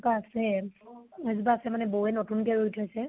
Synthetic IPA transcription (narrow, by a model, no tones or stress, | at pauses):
kaːsɛ | azubaːsɛmanɛboɛnotunkɛɹoitʰɔjsɛ